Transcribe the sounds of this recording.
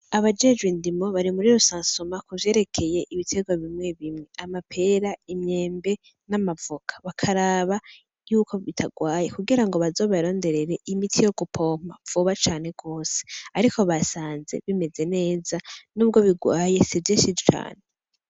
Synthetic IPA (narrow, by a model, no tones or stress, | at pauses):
aβad͡ʒe̞d͡ʒɡwindimo̞βaɾimuɾiɾusaːnsomakuvje̞ːɾe̞kʰe̞je̞ʔiβitʰe̞ɡwaβimŋe̞βimŋe̞amapʰe̞ɾaimɲe̞ːmbe̞ | namavukʰḁβakʰaɾaβa | juːko̞βitʰaɡwaːje̞kuɡiɾaŋɡo̞βazo̞ːβaɾo̞ːnde̞ɾe̞ɾe̞ʔimitʰijo̞ɡupʰo̞ːm̥a̰v̥uβat͡ʃaːne̞ɡ̥o̞ːse̥aɾikʰo̞βasaːnze̞̰βime̞ze̞ne̞ːzanuːb̚ɡo̞βiɡwaːje̞sivjeːʃid͡ʒt͡ʃa̰ːne